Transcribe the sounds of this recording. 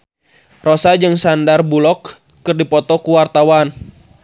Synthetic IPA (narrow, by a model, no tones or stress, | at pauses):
rosad͡ʒɨŋsandarbulɔkː | ɨrdipɔt̪ɔkuwart̪awan